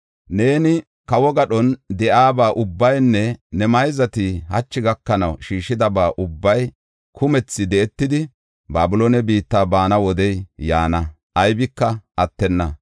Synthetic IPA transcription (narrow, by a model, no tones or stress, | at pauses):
ne̞ːnɪ | kɐwɔɡɐɗɔnd̪ɛʔaːbaːʔʊbːɐjnːɛnɛmɐjzɐt̪ɪhɐt͡ʃːɪɡɐkːɐnɐwʃiːʃːɪd̪ɐbaːʔʊbːɐj | kʰʊmɛt͡sːɪd̪ɛɛt̪ːɪd̪ɪ | baːbʊloːnɛbiːt̪ːaːbaːnɐwɔd̪ɛjjaːnɐ | ʔɐjbɪkːɐɐt̪ːɛnːɐ